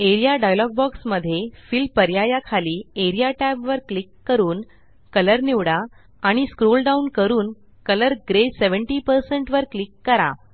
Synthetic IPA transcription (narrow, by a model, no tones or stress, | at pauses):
eɾijaɖajlɔɡ̚bɔksməd̪ʱːjefilpəɾjajakʰaliːeɾijaʈɛbʋəɾklikːəɾuːn | kələɾniʋɽa | aɽ̃iskɾolɖaunkəɾuːn | kələɾɡɾeseʋəɳʈiːpəɾsəɳʈʋəɾklikːəɾa̰